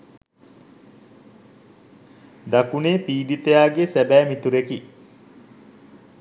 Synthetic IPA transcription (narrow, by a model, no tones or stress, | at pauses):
d̪akuneːpiːɖit̪ejaːɡesæbæːmit̪uɾeki